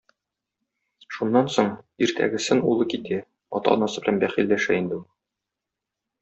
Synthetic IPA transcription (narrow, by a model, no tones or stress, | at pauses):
ʃunːɑnsoɴiɾt̪ʰæ̰ɡɘ̆sɘnulˠɤkit̪æ | ɒ̰t̪ɑ̰ɒnɑsɤbɘ̆lænbæχilːæʃæind̪ɘu